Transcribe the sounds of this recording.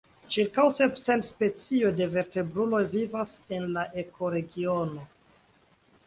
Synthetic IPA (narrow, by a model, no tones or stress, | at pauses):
t͡ʃiɾkawse̞psentspe̞t͡sio̞jde̞ve̞ɾte̞bɾulo̞jvivase̞nlaʔe̞kʰo̞ɾe̞ɡio̞no